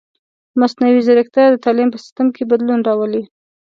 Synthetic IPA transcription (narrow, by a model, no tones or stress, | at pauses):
masnawizaɾɪk̚t̪ad̪ət̪ɑlimpəsɪ̥st̪amkebad̪lunɾɑwəli